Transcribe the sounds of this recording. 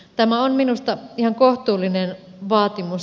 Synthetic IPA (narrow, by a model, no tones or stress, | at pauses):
t̪æmæonminust̪ɑihɑŋkoht̪uːlːˑinen | ʋɑːt̪imus